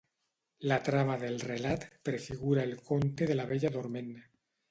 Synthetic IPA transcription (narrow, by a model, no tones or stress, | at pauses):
lat̪ɾamaðe̞lrelat̪pɾefiɣuɾaelkont̪eðe̞laβeʎaðoɾmẽna